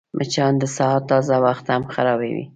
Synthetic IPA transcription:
mʔət͡ʃɑnd̪əsɑt̪ːɑzawaxt̪hamxaɾɑbawḭ

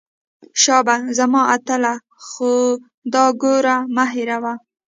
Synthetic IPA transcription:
ʃɑbazamɑat̪əla | xo | d̪ɑɡoɾamaɦɪɾawa

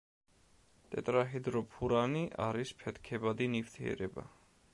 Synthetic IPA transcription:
t̪ʼɛt̪ʼɾaɦid̪ɾɔpʰuɾaniʔaɾispʰɛt̪ʰkʰɛbad̪inift̪ʰiɛ̰ɾɛba̰

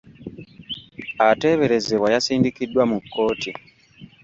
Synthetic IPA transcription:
ate̞ːβe̞ɾe̞ze̞βwajasiːndikidːwamukːo̞ːti

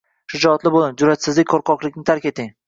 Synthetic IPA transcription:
ʃʊd͡ʒɒt̪lɪbolˠɪnd͡ʒʊɾat̪sɪzlɪkʲkʰoɾqʰɒqlˠɪkʲnɪt̪ʰaɾkʲe̞t̪ʰɪŋ

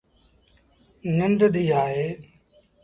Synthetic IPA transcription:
nənɖ̪d̪iːaːɦeː

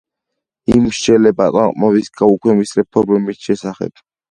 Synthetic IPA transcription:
imʃt͡ʃɛlɛbat̪ʼwaqʼmɔvisɡʰʼaukʰwɛmisɾɛpʰɔɾmɛbisʃɛsaχɛ̰b̥̚

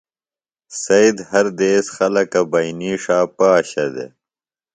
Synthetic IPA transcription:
sɐid̪hɐɾd̪eːsxɐlɐkɐbɐiniːʂaːpaːɕɐd̪ḛ

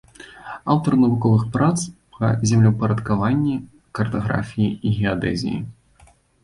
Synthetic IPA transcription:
awt̪ɐrnɐvukɔvɨxpɾat̪spʰɐ̰zʲamlʲɛpɐɾɐt̪kavanʲːi | kɐrt̪ɐɣɾa̰fʲijiiɣʲɛad̪ɛ̰zʲḭjḭ

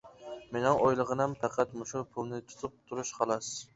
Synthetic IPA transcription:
menɪŋʔojlˠəʁənɛmpʰɑqʰæt̪mʊʃʊpʰʊlˠnɪt̪ʰu̥t̪ʰup̚t̪ʰuɾuʃqʰɑlˠɑs

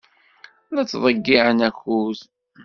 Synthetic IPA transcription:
læt͡sːðˤəɡːiʕənækuθ

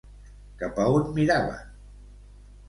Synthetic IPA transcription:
kapawt̪miɾaβə̰

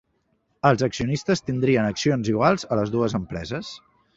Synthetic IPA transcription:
əlˠzəksiunist̪əst̪ind̪ɾiənəksionziɣwalˠzələzðuəzəmpɾɛ̰zəs

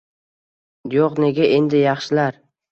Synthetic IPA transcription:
joqne̞ɡʲaʔe̞nd̪ɪjɑχʃɪlaɾ

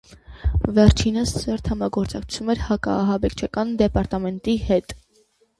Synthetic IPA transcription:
vɛɾt͡ʃʰinəssɛɾt̪ʰhɑmɑɡɔɾt͡sɑkʰt͡sʰumɛɾhɑkɑ̰ːɦɑbɛkʰt͡ʃʰɑkɑnd̪ɛpɑɾt̪ɑmɛnt̪ihɛt̪

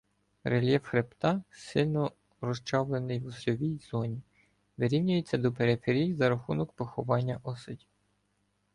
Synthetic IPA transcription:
relʲjɛfxɾept̪ɑsɪlʲnɔ | rɔʃt͡ʃɑʋlˠenɪjwʊsɾʲɔʋʲijzɔnʲi | ʋeɾʲiwnʲʊjet͡sʲːɐd̪ɔpeɾefʲeɾʲijzɐɾɐxunɔkpɔxʊʋɑnʲːɐʔɔsɔdʲiw

